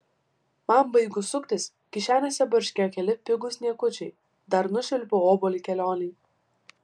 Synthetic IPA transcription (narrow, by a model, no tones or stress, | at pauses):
mɑmbɐɪɡʊsʊkt̪ʲɪs | kʲɪʃʲæːnʲoːsʲɛbɐɾʲʃʲkʲejɔkʲɛlʲɪpʲɪɡʊsnʲiɛkʊt͡ʃʲɛɪ | d̪ɐɾnʊʃʲɪlʲpʲooːboːlʲikʲɛlʲoːnʲɛɪ